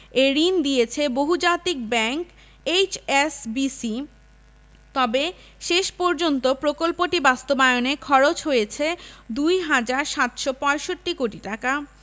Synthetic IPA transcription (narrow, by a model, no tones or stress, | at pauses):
eɾind̪iet͡ɕʰeboɦud͡ʑat̪ik̚bɛŋk | ejt͡ɕesbisi | t̪ɔbe | ʃeʃpɔɾd͡ʑont̪opɾokolpoʈibast̪obaeonekʰɔɾot͡ɕɦojet͡ɕʰed̪ujɦad͡ʑaɾʃat̪ʃopɔeʃoʈːikoʈiʈaka